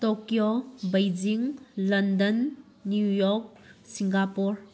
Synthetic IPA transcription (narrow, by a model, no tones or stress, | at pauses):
tokjobɐjd͡ʒiŋlɐndɐnː | jujɔk̚ | siŋɡapuɾ